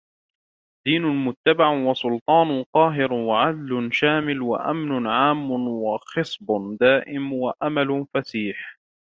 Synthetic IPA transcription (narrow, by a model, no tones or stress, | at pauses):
d̪̥iːnʊmʊt̪ːabaʕwɑsʊlt̪ˤɑːnʊqɑːɦɪɾwaʕad̪lʊʃaːmɪlwa̰ʔa̰mnʊʕaːmːʊwɑxɨsˤbd̪aːʔɪmwaʔamalʊfasiːħ